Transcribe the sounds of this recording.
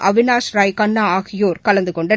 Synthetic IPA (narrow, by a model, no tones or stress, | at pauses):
ʔɐʋɪnaːsɾaːjkɐnːaːaːɣɪjoːɾkɐlɐnd̪ɯkɔɳɖɐ